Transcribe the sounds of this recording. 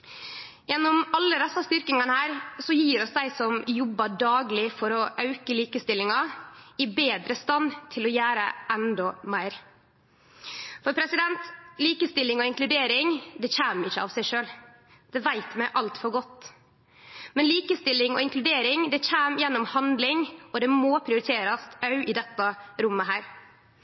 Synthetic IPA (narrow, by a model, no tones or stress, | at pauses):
jɛnːʊmɑlːəd̪ɛsːɑst̪ʏɾkɪŋɑnəhæːɾsɔjiːɾɔsd̪æɪsɔmjɔbːɑɖɑːɡlɪfɔɾɔʔɑʉkəliːkəst̪ɪlːɪŋɑɪbeːd̪ɾəst̪ɑnt̪ʰɪlɔjæːɾəʔɛnd̪ɔmæɪɾ | fɔɾpʰɾɛsɪd̪ɛnt̪liːkəst̪ɪlːɪŋɔɪŋklʉd̪eːɾɪŋd̪ɛçæːmɪçːəɑ̰ʋsæɪʂøːl | d̪̥ɛʋæɪt̪mæɪʔɑlt̪fɔɾɡɔt̪ː | mɛnliːkəst̪ɪlːɪŋɔ̰ɪŋklʉd̪eːɾɪŋd̪ɛçæːmjɛnːʊmhɑnd̪lɪŋɔd̪ɛmopʰɾɪʊɾɪt̪ʰeːɾɑst̪ɑʉʔɪd̪ɛt̪ːɑɾʊmːəɦæːɾ